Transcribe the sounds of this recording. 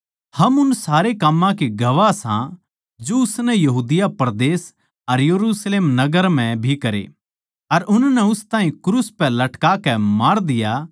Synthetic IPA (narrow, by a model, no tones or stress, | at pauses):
hɐmʊnsaːɾekɐmːãkeɡɐʋasã̰ | d͡ʒoʊsnɛjɐɦuːd̪ɪjapɐɾd̪eːs | ɐɾjɐɾuːsleːmnɐɡəɾm̤ɛ̃bʱikɐɾḛ | ɐɾʔʊnnɛʊst̪ãːɦĩkɾuːspɛlɐʈkakɛmaːɾd̪ɪja